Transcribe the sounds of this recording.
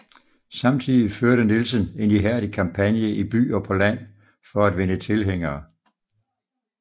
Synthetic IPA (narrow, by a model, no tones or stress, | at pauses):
sɑ̈mt͡sʰiðˠiføɐɾənilsəne̝niɦæɐ̰ɾ̥ikʰɑ̈mpʰænjəʔib̥y̰ːɒpʰɒ̽læn̰ | fɒ̽æd̥ʋe̝nət͡sʰe̝lɦeŋ̰ɐː